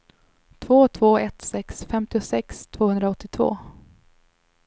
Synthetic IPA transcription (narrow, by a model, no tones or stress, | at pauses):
t̪ʰvoːt̪ʰvoːɛt̪sɛksfɛmt̪ɪʊsɛkst̪ʰv̥oːhɵnd̪ɾaɔt̪ːɪt̪ʰvo̰ː